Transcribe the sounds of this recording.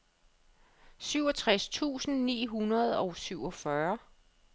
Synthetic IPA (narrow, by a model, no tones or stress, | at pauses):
syʊɒ̽t͡sʰʁast͡sʰṵːsn̩nḭːɦunɐð̞ˠɒ̽ʊsyʊɒ̽fɶɐ